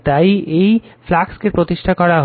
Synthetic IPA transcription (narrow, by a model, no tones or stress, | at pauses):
t̪ajejflakskepɾot̪iʃʈʰakɔɾaɦ